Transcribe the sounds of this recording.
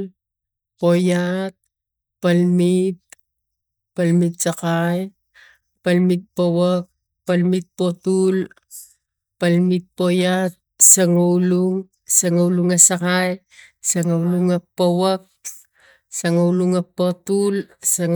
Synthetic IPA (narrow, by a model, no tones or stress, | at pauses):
po̞jat̚ | palmit̪̚ | palmit̚sakaj | palmit̚powak̚ | palmit̪̚po̞tul | palmit̚po̞jat̚saŋawluŋ | saŋauluŋasakaj | saŋauluŋapːowak̚ | saŋawluŋapotulsaŋ